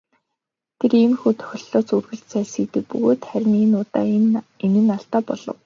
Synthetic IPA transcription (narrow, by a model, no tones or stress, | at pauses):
t̪ʰeɾiːmxuːt̪ʰœ̥xʲɪ̆ɮɔːt͡surɣɘ̆ɬt͡sæːsiːt̪ɘ̆k̚pɵɣoːt̪χæɾʲɪ̆neːnʊːt̪a̰ːenɘ̆naɬt̪aːpɔɮɞ̰̆w